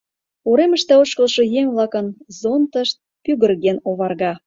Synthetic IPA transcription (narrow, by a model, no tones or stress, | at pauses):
oɾemə̆ʃt̪ɑoʃkə̆lˠʃɤ̆jeŋβlɑkənzont̪əʃt̪̚pyɣə̆rɣenoβɑrɣɑ